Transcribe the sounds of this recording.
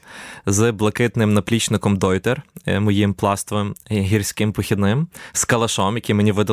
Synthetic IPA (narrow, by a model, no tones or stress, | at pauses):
zblˠɐkɪt̪nɪmnɐplʲit͡ʃnɪkɔmd̪ɔjt̪ɛrmɔjimplˠɑst̪ɔʋemɦʲirʲsʲkɪmpɔxʲid̪nɪmskɐlˠɐʃɔmjɐkʲimenʲiʋɪd̪ɐ